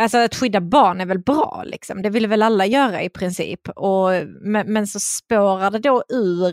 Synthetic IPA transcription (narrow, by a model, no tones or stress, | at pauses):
alsɔat̪ɧʏd̪ːabɑːɳæɾvɛlbɾɑ̰ːlɪ̰ksɔmd̪ɛvɪlːəvɛlalːajœːɾaɪpʰɾɪnsḭːpːɔmɛmɛnsɔspoːɾaɖɛd̪oʉ̟ːɾ